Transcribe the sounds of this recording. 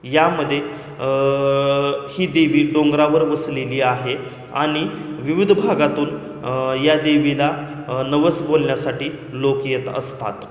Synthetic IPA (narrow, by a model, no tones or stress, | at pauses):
jaməd̪ʱːje | hiːd̪eʋiːɖoŋɡɾaʋəɾʋəsleliːaɦe | a̰ɽ̃iʋiʋid̪ʱbʱaɡat̪uːn | jad̪eʋila | nəʋəsbolɳjasaʈiː | lokjet̪ə̰st̪a̰t̪